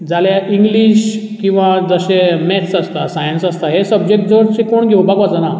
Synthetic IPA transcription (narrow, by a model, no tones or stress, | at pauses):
d͡zʱaljaʔiŋɡliɕ | kĩw̃ʋad͡zəɕemɛt̪səst̪asajənsəst̪aɦesəbd͡ʑek̚ʈ̚d͡zəʋəɾt͡ɕekoɳɡʱewbakʋat͡səna